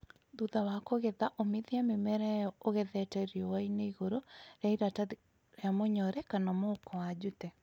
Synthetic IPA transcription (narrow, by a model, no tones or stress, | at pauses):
ðuðawakoɣeðaʔomeðiamemɛɾɛjɔoɣɛðɛtɛɾjowaineiɣoɾoɾeaiɾata | jamoɲɔɾɛkanamokɔwad͡ʒutɛ